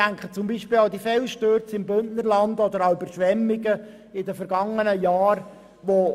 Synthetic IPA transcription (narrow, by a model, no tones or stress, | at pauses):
æŋkχət͡sʊmbiːʃpɪːlad̪ifɛlʃtøːɾt͡sɪmbʏntnəɾlɑndɔd̪əɾɑybəɾʃʋɛmːɪɡə | ɪdəfɛɾɡ̥ɑŋːənəjɑːɾ | ʋo